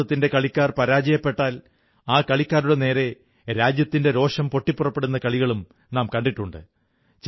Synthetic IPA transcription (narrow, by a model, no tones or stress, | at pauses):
ɐt̪ːinde̞kɐɭikʲːaːrpɐɾaːd͡ʑɐjɐpːe̞ʈːaːl | aːkɐɭikʲːaːɾuɽene̞ːɾe̞ | ɾaːd͡ʑjɐt̪ːinde̞ɾo̞ːʂɐmpo̞ʈːipːurɐpːe̞ɽunːɐkɐɭiɣɐɭum | naːmkɐɳɖiʈːuɳɖɨ̰ | t͡ɕ